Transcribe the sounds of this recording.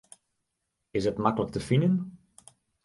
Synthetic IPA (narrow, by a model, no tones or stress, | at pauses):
ɪsətmakələk̚təfinən